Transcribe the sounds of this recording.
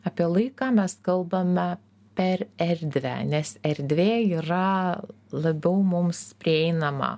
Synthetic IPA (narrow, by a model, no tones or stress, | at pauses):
ɐpʲiɛlˠɐɪkɑːmʲɛskɐlˠbɐmʲɛ | pʲɛɾɛɾʲd̪ʲʋʲæ̰nʲɛsɛɾʲd̪ʲʋʲeːiːɾɐ | lˠɐbʲɛʊmʊmspʲɾʲɪɛɪnɐmɐ̰